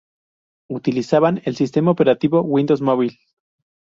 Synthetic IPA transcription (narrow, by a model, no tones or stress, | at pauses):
ut̪ilisaβane̞lsist̪e̞maope̞ɾat̪iβo̞wind̪owsmoβil